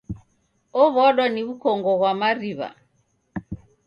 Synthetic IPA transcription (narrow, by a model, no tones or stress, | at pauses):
ɔβɔɗwaniβukɔŋɡɔɣwamaɾiβa̰